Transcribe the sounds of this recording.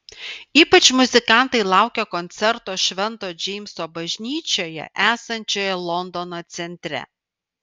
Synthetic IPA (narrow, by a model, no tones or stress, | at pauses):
iːpɐt͡ʃmʊzʲɪkɑˑnt̪ɐɪlˠɑˑʊkʲɛkɔnʲt̪sʲɛɾt̪oːʃʲʋʲɛnt̪oːd͡ʒʲɛɪmʲsoːbɐʒʲnʲiːt͡ʃʲoːjɛ̰ʔæːsɐnʲt͡ʃʲoːjɛlˠɔnd̪ɔnoːt̪sʲɛnʲt̪ʲɾʲɛ̰